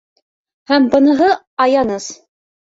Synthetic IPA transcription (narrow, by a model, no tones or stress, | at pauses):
hæmbɤ̆nɤ̆ɦɤ | ɑjɑnɤz